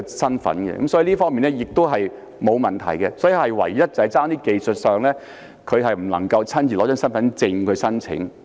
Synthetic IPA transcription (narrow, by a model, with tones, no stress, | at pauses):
sɐ˥nfɐ̰˨˥nkɛ̰˧kɐ̰˨˥msɔ˨˥i˨˧liː˥fɔː˥ŋmiː˨nɛ˥jɪ˨k̚t̪o˥wɦɐ˨j | mo˨˧wmɐ˨nt̪ʰɐ̰˨˩jkɛ˧sɔː˨˥ji˧hɐ˨jwɐ̰˨˩jjɐ˥t̚t͡sɐ˨˧˨jt͡saː˥ŋt̪iː˥ke˨jsɵ˨t̚sœː˨˧ŋlɛː˥ | kʰɵ˨˧ɥɦɐ˨jm̩˨˩lɐ̰˨˩ŋkɐ˧wt͡sʰɐ˥nt͡ɕiː˨lɔː˨˧˥œː˥nsɐ˥nfɐ˨˦nt͡sɪ˧ŋkʰɵ˨˧ɥsɐ˥nt͡sʰɪ̰˨˥ŋ